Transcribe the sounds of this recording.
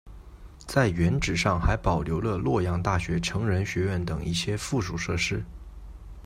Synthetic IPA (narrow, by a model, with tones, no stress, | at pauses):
t͡sa˥˩ɪɥɛ˧˥nʈ͡ʂɻ̩˨˩ʂɑ˥˩ŋxa˧˥ɪpɑ˨˩ʊljo˧˥ʊlə˧lwɔ˥˧jɑ˥˧ŋt̪a˥˩ɕɥɛ˧˥ʈ͡ʂʰɤ˧˥ŋɻə˧˥nɕɥɛ˧˥ɥɛ˥˩nt̪ɤ˨˩ŋḭ˥˩ɕjɛ˥fu˥˩ʂu˨˩ʂɤ˥˩ʂɻ̩˥